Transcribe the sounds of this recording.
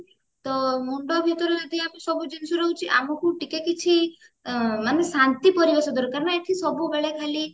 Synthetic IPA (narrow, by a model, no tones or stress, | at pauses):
t̪ɔmuɳɖɔbʱit̪ɔɾɔd͡ʒɔd̪ʱiamesɔbud͡ʒinsuɾɔɦut͡ʃʰiʔamɔkuʈikekit͡ʃʰi | manesant̪ipɔɾibesɔd̪ɔɾkaɾɔnɔeʈ̪ʰisɔbubeɭekʰali